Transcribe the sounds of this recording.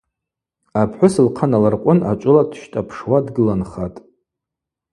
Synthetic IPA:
apʰħʷʊsɨlqʰanalarqʷʼʊna̰t͡ʃʷʼʊladʰʃtʼapʰʂwadɡɨlanχatʼ

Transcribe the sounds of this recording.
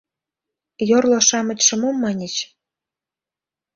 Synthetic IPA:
jorlŏʃɑmə̆t͡ɕʲʃə̆momːɑnʲet͡ɕ

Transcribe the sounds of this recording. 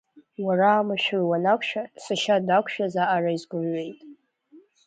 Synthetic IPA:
waraːmaʃᶣrwanakʷʰʃᶣasɨʃadakʷʰʃᶣazaʔaraizɡʷʊmɥe̞jtʼ

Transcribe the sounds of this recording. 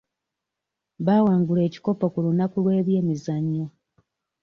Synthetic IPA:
βaːwaːŋɡule̞ːci̥ko̞pokulunakulwe̞ːβje̞ːmizaɲːo

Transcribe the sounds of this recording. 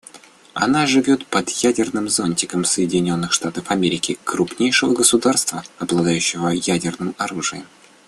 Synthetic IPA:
ɐ̰naʐɨvʲo̞t̪pəd̪jædʲɪrnɨmzonʲtʲɪkəmsəjɪdʲɪnʲo̞nːɨxʂt̪at̪əfɐmʲeɾʲɪkʲɪkɾʊpnʲejʂɨvəɡəsʊd̪arst̪vəɐblˠɐd̪ajʉɕːɪvəjædʲɪrnɨmɐɾuʐɨjɪm

